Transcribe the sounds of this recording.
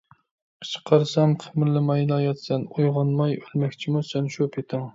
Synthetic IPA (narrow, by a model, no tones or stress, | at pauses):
ə̥t͡ʃʰə̥qʰɑɾsɑmqʰɪmɪɾlɪmɑjlˠɑjɑt̪sɛnojʁɑnmɑjølmɛkʲt͡ʃʰimusønʃopʰet̪ʰɪŋ